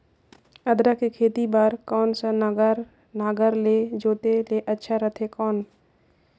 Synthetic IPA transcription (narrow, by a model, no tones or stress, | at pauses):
əd̪ɾakekʰeːt̪ibaːɾkɔːnsənɡɾ | naːɡəɾled͡ʒoːt̪eleʔɐtːʃʰaɾət̪ʰekɔːn